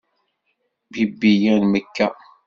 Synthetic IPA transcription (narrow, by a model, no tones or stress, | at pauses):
bibːijænməkːæ